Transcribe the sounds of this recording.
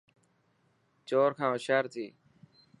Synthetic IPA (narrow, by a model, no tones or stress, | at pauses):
t͡ʃoːɾkʰãːʊʃaːɾt̪ʰiː